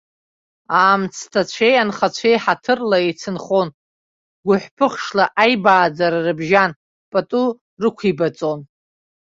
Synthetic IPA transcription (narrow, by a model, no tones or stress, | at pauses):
aːmt͡sʰtʰat͡ɕʷʰejanχat͡ɕʷʰejħatʰɨrlaet͡sʰɨnχon | ɡʷʊħʷpʰɨχʂlaʔajbaːd͡zaɾarɨbʒan | pʼatʼu | rɨkʷʰibat͡sʼo̞n